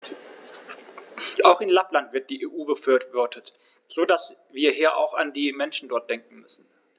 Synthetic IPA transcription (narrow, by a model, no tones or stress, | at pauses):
ʔaʊxɪnlaplantv̥ɪɐt̚d̥iːʔeːʔuːbəfyɐvɔɐtʰət | z̥oːdasviːɐɦiːɐʔa̰ʊxa̰ndiːmɛnʃn̩dɔɐt̚d̥ɛŋkŋ̩mʏsn̩